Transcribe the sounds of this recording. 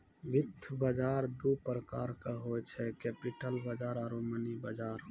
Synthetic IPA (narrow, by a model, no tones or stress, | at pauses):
ʋɪt̪ʰːbəd͡ʒaːɾd̪upɾəkaːɾkaɦoːɛt͡ʃʰɛkɛːpɪʈəlbəd͡ʒaːɾaɾomənibəd͡ʒaːɾ